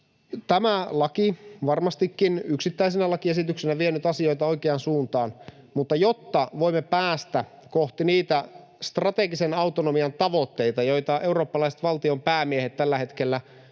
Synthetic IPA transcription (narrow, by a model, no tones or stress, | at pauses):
t̪æmælɑkiʋɑrmɑst̪ikːinyksit̪ːæis̬enælɑkiesit̪yksenæʋienyt̪ɑsio̞jt̪ɑo̞ikeɑnsuːnt̪ɑːn | mut̪ːɑjot̪ːɑʋo̞imːepæːst̪æ | koht̪iniːt̪æ | st̪rɑt̪e̞ɡisenɑwt̪onomiɑnt̪ɑʋo̞t̪ːe̞jt̪ɑjo̞jt̪ɑʔe̞uɾo̞ːpːɑlɑiset̪ʋɑlt̪io̞mpæːmiehet̪t̪ːælːæɦe̞t̪k̟elːæ